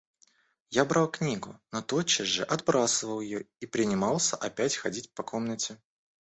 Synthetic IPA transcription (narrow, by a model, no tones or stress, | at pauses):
jabɾalˠknʲiɡʊnot̪ot͡ɕːɪzʐɨʔɐd̪bɾasəvəlˠjɪjoipɾʲɪnʲɪmɑlˠsʲəʔɐpʲætʲxɐdʲitʲpɐko̞mnətʲɪ